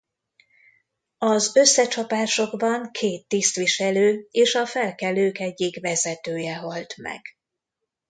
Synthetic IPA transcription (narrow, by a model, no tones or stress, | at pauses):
ɒzø̞sːɛt͡ʃɒpaːʃo̞ɡbɒŋkʰeːt̪ːist̪ʋiʃɛløːeːʃɒfɛlkɛløːkɛɟːiɡvɛzɛt̪øːjɛɦɒlt̪mɛ̰ɡ̥